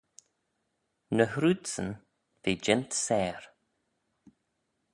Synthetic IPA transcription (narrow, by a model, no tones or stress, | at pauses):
nəhɾuːd̪sən | veːd͡ʒɪnt̪sɛːɾ